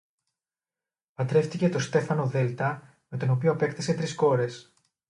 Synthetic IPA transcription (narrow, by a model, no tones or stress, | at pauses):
pɐt̪ɾe̞ft̪ice̞t̪o̞st̪e̞fɐno̞ðe̞lt̪ɐ | me̞t̪o̞no̞pioɐpe̞kt̪ese̞t̪ɾisko̞ɾe̞s